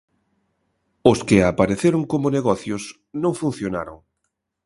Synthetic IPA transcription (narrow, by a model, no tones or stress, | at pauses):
ʊskɪapaɾeθeɾoŋkomoneɣɔθjʊs | nõŋfun̟θjonaɾo̰ŋ